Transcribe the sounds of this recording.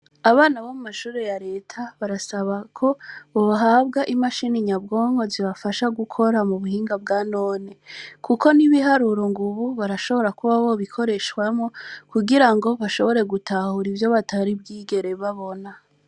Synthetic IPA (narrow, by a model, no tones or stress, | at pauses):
aβaːnaβomumaʃuːɾe̞jaɾe̞ːtʰaβaɾasaβakʰo̞oβaɦabɡaʔimaʃiniɲabɡo̞ːŋ̥ho̞ziβafaʃaɡukʰo̞ɾamuβuhiːŋɡab̚ɡanoːnekʰuko̞niβiɦaɾuɾo̞ŋɡuβuβaɾaʃo̞βo̞ɾakuβaβo̞βikʰo̞ɾe̞ʃkwamŋo̞kuɡiɾaŋɡo̞βaʃo̞βo̞ɾe̞ɡutahuɾivjo̞βatʰaɾib̚ɡiːɡe̞ɾe̞βaβo̞na